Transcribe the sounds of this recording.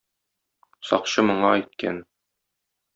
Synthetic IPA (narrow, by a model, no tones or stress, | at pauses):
sɒ̰qɕɤmŏɴɑɛjt̪̚kæ̰n